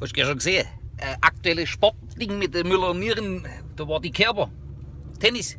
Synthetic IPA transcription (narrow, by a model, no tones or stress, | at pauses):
hoʃɡ̥ɛʃoɡəz̥eːə | ʔəʔak̚tuɛləʃpɔʁtlɪŋmɪt̚dəmylɐniːʁən | d̥ovɑːɐdikʰɛɐbɐ | tʰɛnɪs